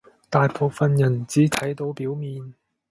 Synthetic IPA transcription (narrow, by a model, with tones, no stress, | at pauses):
t̪aː˨˧jpʰo˨wfɐ˨njɐ˨˩nt͡siː˨˥t̪ʰɐ˨˥jt̪o˨˧˥wpiː˨˥wmiː˨˧n